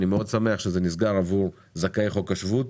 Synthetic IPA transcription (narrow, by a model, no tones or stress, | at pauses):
nimeo̞d̪same̞aχʃezenisɡaʁavuʁ | zakejχokaʃvut̪